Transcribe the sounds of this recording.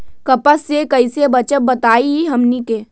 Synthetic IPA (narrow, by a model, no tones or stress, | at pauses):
kɐpəsekɐɪsebɐt͡ʃət̚bət̪aːiiɦɐmnike